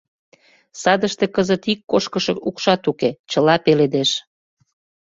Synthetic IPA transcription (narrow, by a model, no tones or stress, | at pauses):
sɑd̪əʃt̪ekəzət̪ikːoʃkəʃɤ̆ukʃɑt̪uket͡ɕəlɑpeled̪eʃ